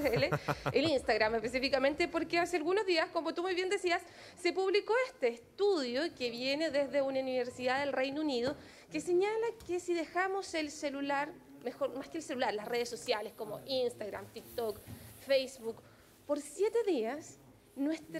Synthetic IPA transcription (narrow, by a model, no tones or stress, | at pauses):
eleelinst̪aɣɾamespesifikame̞nt̪epoɾkeasealɣuno̞zðiaskomot̪umujβje̞nd̪esiasː | epuβliko̞est̪eːst̪uðjokeβjeneðezðeunauniβeɾsiðaðelrejnouniðo | keseɲalakesiðexamoselselulaɾmexo̞ɾmaskeːlselulaɾlasreðesːo̞sjalesko̞mo̰ʔinst̪aɣɾa̰mt̪ik̚t̪okfejsβuk | poɾsjet̪eðias | nwest̪